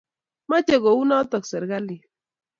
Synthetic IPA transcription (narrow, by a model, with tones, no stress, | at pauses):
ma˦t͡ʃɛ˨ɣɔ˨u˦na˦t̪ɔ˨ksɛ˨ɾɣa˦li˨